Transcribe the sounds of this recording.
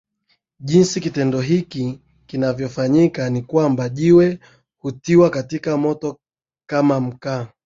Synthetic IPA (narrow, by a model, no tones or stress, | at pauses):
ʄinsikitɛndɔɦiki | kinavjɔfaɲikanikwambaʄiwɛ | hutiwakatikamɔtɔ | kamam̩kaː